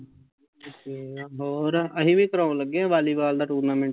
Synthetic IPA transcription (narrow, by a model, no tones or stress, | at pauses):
oːkeɦɔːɾəɦĩbʱikəɾãːõləɡːẽʋaːlibaːld̪aːʈuːɾnaːmẽɳʈ